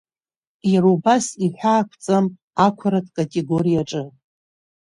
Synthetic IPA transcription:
jaɾubasiħʷᶣaːkʷʰt͡sʼam | akʷʰaɾadkʼatʼe̞ɡo̞ɾijaʈ͡ʂʼɨ

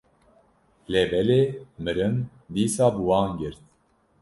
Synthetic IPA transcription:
lɛbɛlemɨɾɨm | d̪iːsaːbuwɑːnɡɨɾt̪̚

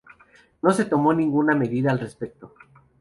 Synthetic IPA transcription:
no̞se̞t̪o̞mo̞nĩŋɡuname̞ðiðaːlre̞spe̞k̚t̪o̞

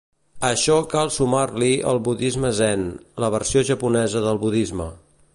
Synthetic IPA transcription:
əʃɔkalˠsumarliə̰lˠβuðizməzɛnləβ̞ərsioʒəpunɛzəðəlˠβuðizmə

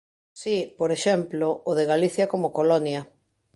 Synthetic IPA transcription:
sipoɾeʃɛmploːðeɣaliθjɐkomokolɔnjɐ

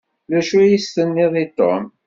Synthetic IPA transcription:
læʃujisθənːɪðˤit̪ːo̰m

